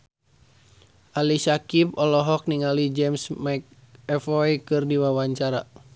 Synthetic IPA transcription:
ʔalisakip̚ɔlɔɦɔk̚niŋalid͡ʒɛmsmajk̚ | ɛfɔjkɨrdiwawaɲt͡ʃaɾa

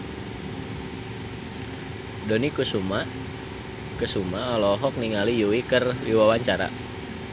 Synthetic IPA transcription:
donikusuma | kəsumaɔlɔɦɔk̚niŋalijuwikəriwawaɲt͡ʃaɾa̰

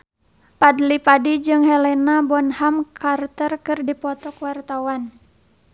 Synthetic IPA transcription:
padlipadid͡ʒɨŋhɛlɛnabɔnhamkʰart̪ərkɨrdipɔt̪ɔkwart̪awan

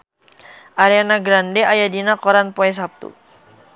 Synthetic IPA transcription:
ʔaɾianaɡɾandɛajadinakɔɾanpɔɛs̬ap̚t̪ṵ

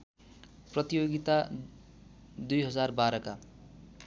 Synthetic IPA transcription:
prʌt̪ijoɡit̪a | d̪ujɦʌd͡zarbaɾʌka

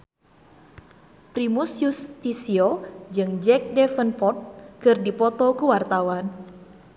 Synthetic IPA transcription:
pɾimusjust̪isiod͡ʒɨŋd͡ʒɛk̚dɛfənpɔt̪̚kɨrdipɔt̪ɔkuwart̪awan

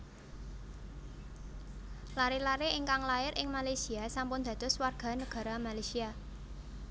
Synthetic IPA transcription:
laɾilaɾeɪŋkaŋlaɪɾʔɪŋmalajsiasampʊnd̪̥ä̤d̪̥ʊ̤swarɡ̥a̤nəɡ̥ä̤ɾamalajsia

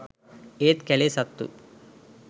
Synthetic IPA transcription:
eːt̪kɛlesɐt̪ːṵ

